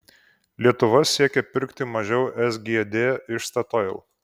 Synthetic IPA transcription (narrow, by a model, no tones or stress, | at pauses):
lʲiɛt̪ʊʋɐsʲiɛkʲɛpʲɪɾkʲt̪ʲɪmɐʒʲɛʊʔɛsɡʲiɛd̪ʲeːɪʃst̪ɐt̪oɪlˠ